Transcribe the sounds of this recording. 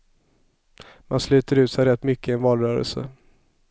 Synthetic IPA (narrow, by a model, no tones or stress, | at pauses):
manslʉ̟ːt̪əɾʉ̟ːt̪sɛjɾɛt̪ːmʏkːəɪɛnvɑːlɾœːɾə̰lsə̰